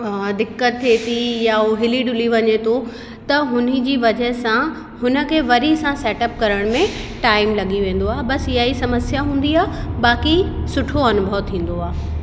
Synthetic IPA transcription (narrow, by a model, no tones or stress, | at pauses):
d̪ɪkːət̪ʰːet̪ʰijaoɦɪliɖʊliʋɐɲet̪ʰo | t̪ɐɦʊnə̆d͡ʑiːʋɐd͡ʑəɦsã | hʊnə̆kʰeːʋɐɾisãsɛːʈəp̚kɐɾəɽ̃mẽʈaːɪmlɐɠiʋẽːn̆d̪oaːɦebɐsɪɦaisɐməsjaɦũːn̆d̪iaːbaːkisʊʈʰoɐnʊbʱəʋt̪ʰĩːn̆d̪oaː